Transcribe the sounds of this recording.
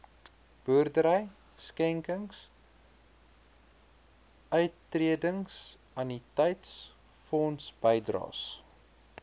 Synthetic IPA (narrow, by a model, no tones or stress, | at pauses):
b̥œərdəɾəj | skɛŋkəŋs | œɥtːriədəŋs | ɐnitɛjts | fɔnsb̥əjdrɑ̰ːs